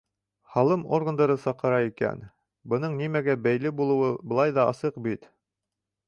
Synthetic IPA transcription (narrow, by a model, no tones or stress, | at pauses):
hɑlˠɤmoɾɡə̆nd̪ɑɾɤsɑqɤ̆ɾɑikæ̰n | bɤ̆nɤɴnimæɡæbæjlɘbulˠɤ̆wɤbɤ̆lˠɑjðɑɑ̰sɤqbit̪